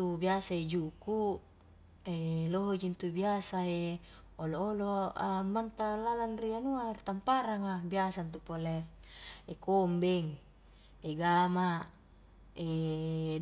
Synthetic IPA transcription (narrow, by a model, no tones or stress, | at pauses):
t̪ubiasaed͡ʒuku | eloɦod͡ʒint̪ubiasae | olooloamːant̪alalanrianuart̪ampaɾaŋabiasant̪̬upole | ekombɛŋ | eɡama | e